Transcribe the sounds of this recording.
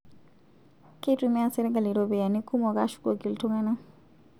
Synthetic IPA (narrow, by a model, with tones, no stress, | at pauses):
ke˦tu˨mɛ˦a˨sɛ˦ɾɛ˦ɡa˨li˨ɾo˨bɛ˨ja˨ni˦kʰu˦mɔ˨ka˦ʃu̥˦ko˨ɡi˨ltu˦ŋa˦na˦